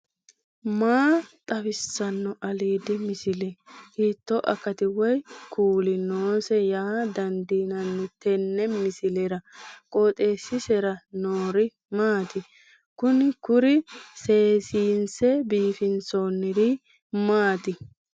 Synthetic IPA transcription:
maːt̪ʼɐfɪsːɐnːɔʔɐliːd̪ɪmɪsɪlɛhiːt̪ːɔʔɐ̰kːɐt̪ɪwɔjkʰuːlɪnoːsɛjaːd̪ɐnd̪iːnɐnːʊt̪ɛnːɛmɪsɪlɛɾɐkʼoːt̪ʼe̞ːsːɪsɛɾɐnoːɾɪ | maːt̪ɪ | kʊnɪkʊɾɪse̞ːsiːnsɛbiːfɪnsonːɪd̪ɪ | maːt̪ɪ

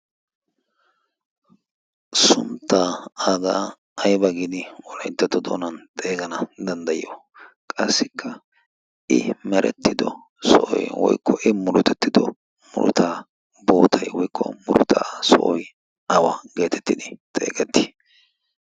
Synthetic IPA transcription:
sʊmt̪ːaːaɡa | ɐjbɐɡɪd̪ɪwɔlɐjt̪ːɐt̪ːɔd̪o̰ːnɐnt̪ʼe̞ːɡɐnɐd̪ɐnd̪ɐjo | kʼɐsːɪkʰːɐ | ɪmɛɾɛ̰t̪ʰːɪd̪ɔ | sɔʔɔjwɔ̰jkːɔʔɪmʊɾʊt̪ɛt̪ːɪd̪ɔ | mʊ̰ɾʊ̰t̪ʰaː | boːt̪ʰɐjwɔjkːɔ̰mʊɾʊt̪ʰaːsɔʔɔj | ɐwɐɡe̞ːt̪ʰɛ̥t̪ːɪd̪ɪt̪ʼḛːɡɛt̪ːi̥

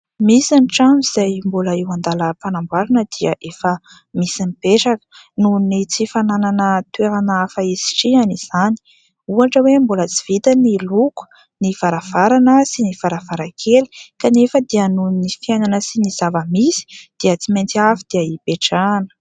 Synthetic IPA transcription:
misanʈ͡ʂamiz̥ajmbuləiwand̪aləpanambaɾunəd̪iəʔefə | misinipeʈ͡ʂakə̥ | nunit͡sifanananət̪weɾanafaizi̥ʈ͡ʂianiz̥ani̥ | uaʈ͡ʂəwembulət͡si̥v̥it̪əniluku̥ | niv̥aɾav̥aɾanəsiniv̥aɾavaɾakʰeli̥kanefəd̪iənunifiajnanəsiniz̥avəmisi̥d̪̥iət͡siment͡siafid̪̥iaipeʈ͡ʂanə̥

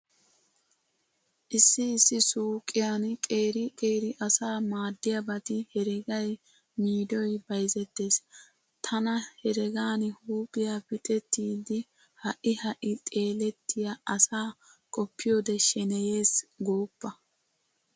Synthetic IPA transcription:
ʔɪsːɪːsːɪsoːkʼːɪjaːnkʼe̞ːɾɪkʼe̞ːɾɪʔɐsaːmaːd̪ːɪjɐbɐt̪ɪhɛɾɛɡɐj | miːd̪ɔjbɐjzɛt̪ːe̞ːs | t̪ʰɐnɐhɛɾɛɡaːnhuːkɪjabɪt̪ʼɛt̪ːiːd̪ɪ | hɐʔɪhɐʔɪt̪ʼe̞ːlɛt̪ːɪjaʔɐsaː | kʼɔpːɪjoːd̪ɛʃɛnɛje̞ːsɡoːpːɐ

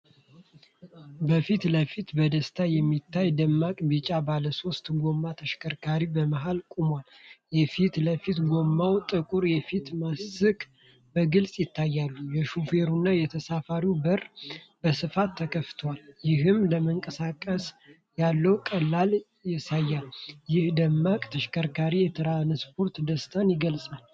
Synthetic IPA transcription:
bəfit̪ləfit̪bəd̪əst̪ʰajɛmːit̪ʰːajd̪əmːakʼbit͡ʃʼabaləso̞st̪ɡo̞mːat̪ʰəʃkʰəɾkʰaɾibəməɦalkʼumwaljɛfit̪ləfit̪ɡo̞mːawt̪ʼɨkʼuɾjɛfit̪masːɨkʼ | bəɡɨlsʼjɪt̪ʰːajːalːujɛʃufeɾunːajɛt̪ʰəsafaɾiwbərbəsɨfat̪ʰːəkʰəft̪ʰəwaljɪɦɨmləməŋkʼəsakʼːəs | jalːəwkʼəlːal | jɪsajːaljɪhd̪əmːakʼt̪ʰəʃkʰəɾkʰaɾijɛt̪ʰɨɾanspʰo̞ɾt̪d̪əst̪ʰənjɪɡəlsʼal

